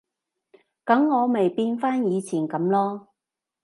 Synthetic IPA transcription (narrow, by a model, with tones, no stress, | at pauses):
kɐ˨˥ŋːɔː˨˧me˨jpiː˧nfaː˥njiː˨˧t͡sʰiː˨˩nkɐ˨˥mlɔː˥